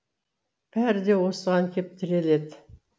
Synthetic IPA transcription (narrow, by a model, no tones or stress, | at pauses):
pʰæɾd̪ewosəʁɑŋkʰʲep̚t̪ʰɪɾeled̪